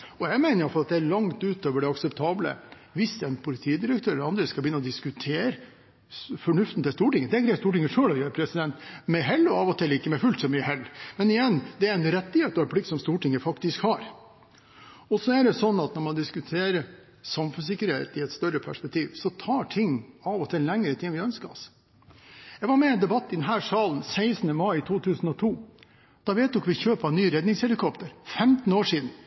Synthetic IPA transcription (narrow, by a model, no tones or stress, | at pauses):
ɔjɛɪɡmæɪnəjɑflɑt̪d̪ɛæɾɭɑŋt̪ʉːt̪oːʋəɖɛɑksɛpt̪ʰɑːblə̰ | ʋɪsd̪ɛæɪnpʰʊlɪt̪ʰiːd̪ɪɾəkt̪ʰøːɾɛlːəɾɑnd̪ɾəskɑlbjʏnːəɔd̪ɪskʉt̪ʰeːɾə | fɔɳʉft̪ən̩t̪ɪlst̪uːʈɪŋːəd̪ɛæɡɾæɪst̪uːʈɪŋːəʂøːlɔjæːɾəpʰɾɛsɪd̪ɛnt̪mɛɦɛlːɔɑːʋɔt̪ʰɪlːɪkːəmɛɪfʉlt̪sɔmyːəɦɛlːmɛnɪjɛnːd̪ɛæɾɛnɾɛt̪ːɪheːt̪ɔɛnplɪk̚t̪sɔmst̪uːʈɪŋːəfɑkt̪ɪskhɑɾ | ɔsɔæɖɛsɔnːɑt̪nɔɾmɑnd̪ɪskʉt̪ʰeːɾə | sɑmfʉnsɪkːəɾhḛːt̪ɪɛt̪st̪œɾəpʰæʂpɛk̚t̪ʰiːʋsɔt̪ʰɑːʈʰɪŋːɑʋɔt̪ʰɪllɛŋːəɾət̪ʰɪŋːʋɪœnskəɔ̰s | jɛɡʋɑɾmɛɛnd̪ɛbɑt̪ːɪd̪ɛnɦæːʂɑːln̩sæɪsnəmɑɪt̪ʰuːt̪ʰʉːsn̩ɔt̪ʰuː | d̪̥ɑʋɛːt̪d̪ɔkʋɪçøːpɑnyːɾɛd̪nɪŋshɛlɪkʰɔpt̪əɾfɛmt̪n̩oːʂiːd̪n̩